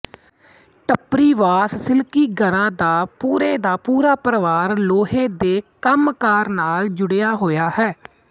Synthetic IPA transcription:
ʈəpɾiːʋaːssɪlkiːɡəɾãːd̪aːpuːɾeːd̪aːpuːɾaːpɾəʋaːɾloːɦeːd̪eːkəmkaːɾnaːld͡ʒʊɽejaːɦoːjaːhɛː

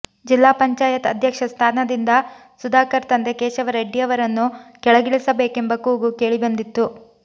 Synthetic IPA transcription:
d͡ʒilːaːpɐɲt͡ʃaːjɐt̪ɐd̪ʱjɐkʂɐst̪ʰaːnɐd̪ind̪ɐ | sud̪aːkɐɾt̪ɐnd̪ekeːʃɐʋɐɾeɖːijɐʋɐɾɐnːukɛɭɐɡiɭisɐbe̞ːkembɐkuːɡuke̞ːɭibɐnd̪it̪ːu

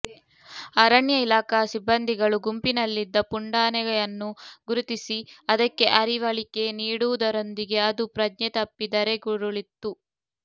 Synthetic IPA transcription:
ɐɾɐɳjɐilaːkasibːɐnd̪ʱiɡɐɭuɡumpinɐlːid̪ːɐpuɳɖaːnɛɡɐjɐnːuɡuɾut̪isiɐd̪ɐkːe̞ʔɐɾiʋɐɭike̞niːɽuʋud̪ɐɾo̞nd̪iɡe̞ɐd̪upɾɐd͡ʒɲɐt̪ɐpːid̪ɐɾeɡuɾuɭit̪ːu

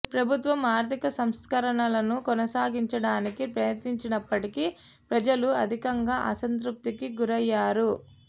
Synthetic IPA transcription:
pɾɐbʱut̪ʋɐmaːɾt̪ʰikɐsɐmskɐɾɐɳɐlɐnukɔnɐsaːɡiɲt͡ʃɐɽaːnikipɾɐjɐt̪niɲt͡ʃinɐpːɐʈiki | pɾɐd͡ʒɐluɐd̪ʱikɐŋɡaːʔɐsɐnt̪ɾup̚t̪ikiɡuɾɐjːaːɾu

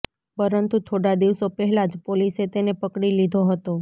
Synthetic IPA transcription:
pəɾənt̪ut̪ʰoɽad̪iʋsopɛɦɛlad͡ʒpoliset̪enepəkɽilid̪ʱoɦət̪o

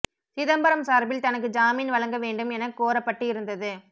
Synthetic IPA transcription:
sɪðɐmbɐɾɐmsaːɾbɪlt̪ɐnɐk̬ːɯd͡ʒaːmiːnʋɐlɐŋɡɐʋeːɳɖɯmɛnɐkːoːɾɐpːɐʈːɯɪɾɯnd̪ɐðɯ

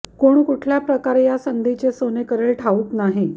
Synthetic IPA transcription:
koɽ̃ukuʈʰljapɾəkaɾejasənd̪ʱit͡ɕesonekəɾeɭʈʰauːknaɦi

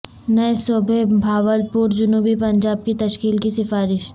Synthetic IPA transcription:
nɐesoːbʱebʱaːʋəlpuːɾd͡ʒʊnuːbipɐɲd͡ʒaːb̚kit̪ɐʃkiːlkisɪfaːɾɪʃ

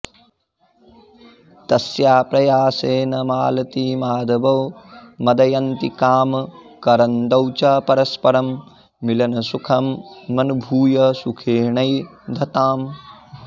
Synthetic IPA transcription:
t̪ɐsjaːpɾɐjaːseːnɐmaːlɐt̪iːmaːd̪ɐbɐwmɐd̪ɐjɐnt̪ikaːmkɐɾɐnd̪ɐwt͡ʃaːpɐɾɐspɐɾɐmː | ilɐnɐsukʰɐmmɐnubʱuːjɐsukʰeːɳɐj | d̪ʱɐt̪aːm

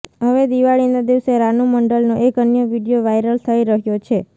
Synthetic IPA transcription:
ɦəʋed̪iʋaɭinad̪iʋseɾanuməɳɖəlnoʔekənjəʋiɖijoʋajɾəlt̪ʰəiɾəɦjot͡ʃʰe

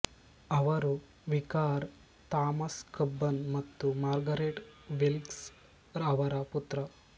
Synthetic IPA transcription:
ɐʋɐɾu | ʋikaːɾ | t̪aːmɐskɐbːɐnmɐt̪ːumaːɾɡɐɾeʈʋilks | ɾɐʋɐɾɐput̪ɾɐ

